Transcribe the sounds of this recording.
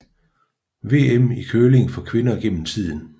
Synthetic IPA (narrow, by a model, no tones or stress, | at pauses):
ʋe̝ːemikʰøːle̝ŋfɒ̽kʰʋe̝nɐiɡ̥en̰m̩t͡sʰið̰ˠn̩